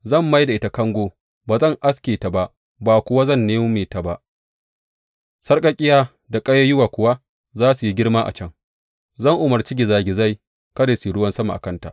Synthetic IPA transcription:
zɐ˦˨mːa˦jda˨ʔɪ˦ta˨kɐ˦ŋɡʷoː˦ | baː˨zɐ˦˨ŋʔa˦skʲeː˨ta˨ba˦ʔ | baː˨kʷʊ˨wa˦zɐ˦˨nːeː˦mʊ˦meː˨ta˨ba˦ʔ | sɐ˦rkʼɐ˨kʲʼɪ˦jaː˦ | da˨kʼɐ˦ja˦jʊ˦waː˨kʷʊ˨wa˦ | zaː˦su˨ji˦ɡʲɪ˦ɽma˦ʔa̰˨t͡ʃɐ˦ŋ | zɐ˦˨ŋʔʊ˨mɐ˨rt͡ʃi˦ɡʲɪ˨zaː˦ɡʲɪ˨za˦˨j | kɐ˦daː˨si˨ɽʊ˦wɐ˦nsɐ˦ma˨ʔa˨kɐ˦nta̰˨ʔ

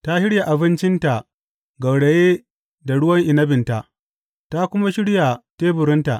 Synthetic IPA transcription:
ta˦hɪ˦ɽja˨ʔa˨bɪ˦nt͡ʃɪ˦nta˨ | ɡɐ˨wɽe˨jeː˦ | da˨ɽʊ˦wɐ˦ŋʔɪ˨nɐ˦bɪ˨nta˨ʔ | ta˦kʷʊ˦ma˦ʃɪ˦ɽja˨teː˦bʊ˨ɾɪ˦nta˨ʔ

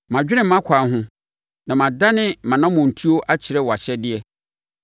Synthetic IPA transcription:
mã˨d͡ʑᶣɪ˦nɪ̃˦˨mã˦kʷʰa˨ɦʊ̃˦ | nã˨mã˨da˦nɪ̃˦mã˨nã˦mʊ̃˨n̩˨tʰi˦o˦ʔa˦t͡ɕʰɪ˨ɾɛ˦wɔ˨a˨ɕɛ˦dɪ˦ɛ˦

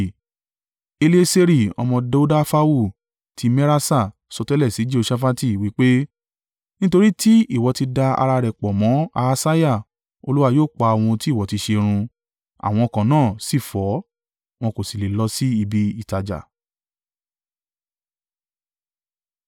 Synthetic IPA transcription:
e˧li˦e˦se˦ɾi˦˨ɔ̰˧mɔ̃˧de˧˦u˦da˦fa˦wu˦˨ | tʰi˧mɛ˦ɾa˦sa˦˨ | sɔ˧tɛ˦lɛ˦˨si˨˦d͡ʒi˦o˧ʃa˦fa˦ti˦˨wi˨˦k͡pe˦ | nĩ˦to˧ɾi˦ti˦i˦˨wɔ˨˧ti˧da˧a̰˧ɾa˧ɾɛ˨k͡pɔ˨mɔ̃˨˦a˧sa˦ja˦˨ | o˧lu˦wa˦˨joː˦˨k͡pa˧a˨w̃ɔ̃˧ti˦˨wɔ˨˦ti˧ʃe˧ɾ̃ũ˧ | a̰˨w̃ɔ̃˧ɔ˧kã˨nãː˦˨si˦˨fɔ˨˦ | w̃ɔ̃˧ko˨si˨le˨lɔ˧˦si˦i˧bi˦i˦˨ta˨d͡ʒa̰˨

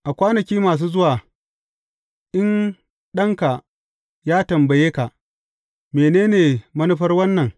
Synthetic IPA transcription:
ʔa˨kʷaː˦nɐ˨kʲiː˦maː˨s̬uː˦zʊ˦waː˨ | ʔɪ˦n | ɗɐ˦ŋka˨ | jaː˦tɐ˨mbɐ˨jeː˦ka˨ʔ | meː˨neː˦neː˨mɐ˦nʊ˦ɸɐ˦rwɐ˦nːɐ˨ŋ

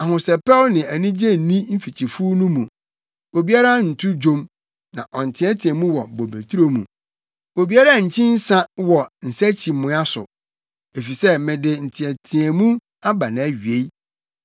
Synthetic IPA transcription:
a˨hʊ̃˨sɛ˨pʰɛ˦lnɪ̃˨æ˨nĩ˦d͡ʑe˦n̩˨nĩ˦m̩˦fi˨t͡ɕʰi˨fu˦nũ˦mũ˨ | o˨bi˦a˦ɾa˦n̩˨tʰu˦d͡ʑõ˦m | nã̰˨ʔɔ˨n̩˨tʰɪ̃˨˦ɛ˦tʰĩ˨ɛ˨mũ˦wɔ˨bo˨be˨tʰu˦ɾo˦mũ˨ | o˨bi˦a˦ɾa˦˨ɲ̩˨t͡ɕʰɪ̃˦n̩˦sã˦wɔ˨n̩˨sæ˦t͡ɕʰi˨mʊ̃˨˦a˦sʊ̰˨ | e˨fi˨sɛ˦mɪ̃˨dɪ˨n̩˨tʰɪ̃˨æ˨tʰĩ˨ɛ˨mũ˦ | a˦ba˨nã˨˦ɥi˨e˦i˦

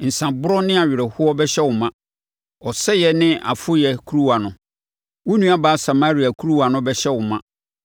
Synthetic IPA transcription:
n̩˨sã˨bʊ˦ɾɔ˦nɪ̃˦a˨ɥɪ˨ɾɛ˨hʊ˦ɔ˦bɛ˦ɕɛ˦wʊ˨mã˦ | ɔ˨sɛ˦jɛ˨nɪ̃˦ʔa̰˨fʊ˦jɛ˨kʰu˦ɾu˦wa˨nʊ̃˨ | wʊ˦nũ˦a˦baː˨˦sa˨ma˦ɾi˨a˨kʰu˦ɾu˦wa˨nʊ̃˦bɛ˦ɕɛ˦wʊ˨mã˦˨

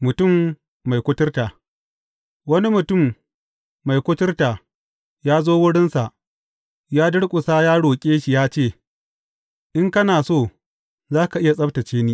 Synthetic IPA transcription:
mʊ˨tʊ˦˨mː | a˨jkʷʊ˦tɪ˦rtaː˨ | wɐ˦ni˦mʊ˨tʊ˦˨mː | a˨jkʷʊ˦tɪ˦rtaː˨ | jaː˦zoː˦wʊ˦ɽɪ˦nsa˨ʔ | jaː˦dʊ˦ɽkʷʼʊ˨saː˦jaː˦ɽoː˨kʲʼeː˦ʃi˨jaː˦t͡ʃeː˦˨ | ʔɪ˦ŋkɐ˦naː˨soː˦˨ | zaː˦ka˨ʔɪ˦ja˨sʼɐ˦btɐ˨t͡ʃeː˦niː˦

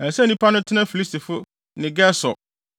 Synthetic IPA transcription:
ɛ˨sɛ˦˨nĩ˦pʰa˦nʊ̃˦tʰɪ˦nã˦fi˨li˦sti˨fʊ˦ | nɪ̃˨ɡɛ˦sɔ˨

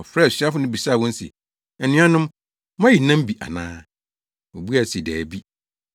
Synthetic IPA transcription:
ɔ˨fɾɛː˦˨si˦a˦fʊ˨˦nʊ̃˦bi˨saː˦˨wɔ̃˦n̩˦sɪ̰˨ | ɛ˨nɪ̃˦ã˦nʊ̃˦m | mã˦ji˨nã˦m˦bi˨ʔa̰˨nã̰ː˦ | ɔ˨bu˦a˨si˨dɛː˨bi˦

